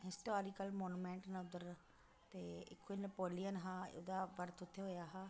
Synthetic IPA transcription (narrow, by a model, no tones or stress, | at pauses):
ɦɪsʈoːɾikəlmoːnuːmɛ̃ːɳʈnʊd̪əɾ | t̪eːɪ̰kʰːoinəpoːlijənɦãːo̰ːd̪aːʋəɾt̪ʰʊt̪ʰːeɦoːjaːɦãː